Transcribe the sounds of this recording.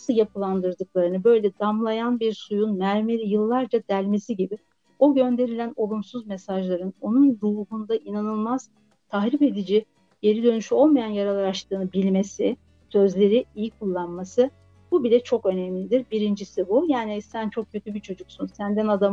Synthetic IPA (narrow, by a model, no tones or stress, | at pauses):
nsɯjapʰɯlˠand̪ɯɾd̪ɯk̚lˠaɾɯnɯbø̞jlʲɛd̪amlˠajanbiɾsujunmæɾmeɾʲijɯlˠːaɾd͡ʒad̪ælʲme̞siɟibi | o̞ɟø̞nd̪e̞ɾilʲæno̞lˠumsuzme̞saʒlˠaɾɯno̞nunɾuːɦund̪aʔinanɯlˠmaz̥ | t̪ʰaxɾipe̞d̪id͡ʒi | je̞ɾid̪ø̞nyʃyo̞lˠmajanjaɾalˠaɾaʃt̪ʰɯːnɯbilʲme̞sɪ | sø̞zlʲe̞ɾiijikʰulˠːanmasɯ | b̥ubilʲɛt͡ʃʰo̞kø̞nɛmlʲid̪iɾbiɾind͡ʒisibujaːnisænt͡ʃʰo̞k̚cʰːøt̪ʰybit͡ʃʰo̞d͡ʒuksunsænd̪ænad̪a